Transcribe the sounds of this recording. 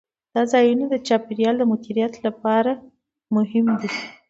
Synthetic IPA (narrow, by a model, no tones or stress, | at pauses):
d̪̥ɑzɑjuned̪ət͡ʃɑpeɾijɑld̪əmʊd̪iɾijat̪lapɑɾa | mʊɦɪmd̪i